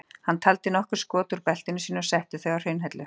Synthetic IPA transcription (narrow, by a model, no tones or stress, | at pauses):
hant̪ʰalt̪ɪnɔhkʏɾ̥skɔːt̪ʏɾpɛl̥t̪ɪnʏsiːnʏɔsɛht̪ɪθœɣawɾ̥hejnɦɛjt̪lʏ